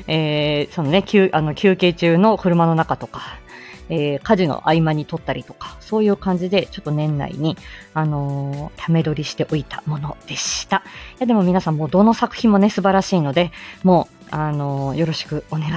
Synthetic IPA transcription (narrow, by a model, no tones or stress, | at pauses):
eːso̞none̞kʲɨːʔano̞kʲɨːke̞ːt͡ɕɨːno̞kɯ̟ɾɯ̟mano̞nakat̪o̞kḁ | eːkaʑino̰ʔaimaɲ̟it̪o̞t̪ːaɾʲit̪o̞̥kḁso̞ːjɯ̟ːkãɲ̟d͡ʑid̪e̞t͡ɕo̞t̪ːo̞nẽ̞nːa̰ḭɲ̟iano̞t̪ʰame̞d̪o̞ɾʲiɕi̥t̪e̞ʔo̞it̪a̰mo̞no̞d̪̥e̞ɕiɨ̥t̪ajad̪e̞mo̞mʲinasãmːo̞ːd̪o̞no̞sakɯ̟̥çʲĩmːo̞ne̞sɨbaɾaɕiːno̞d̪e̞mo̞ː | ano̞jo̞ɾo̞ɕi̥kɯ̟o̞ne̞ɡa